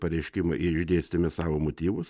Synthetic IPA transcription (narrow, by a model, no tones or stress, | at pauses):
pɐɾʲɛɪʃʲkʲɪmɐʔɪʒʲd̪ʲeːsʲt̪ʲɪmʲɪsɑːʋomot̪ʲiːʋʊs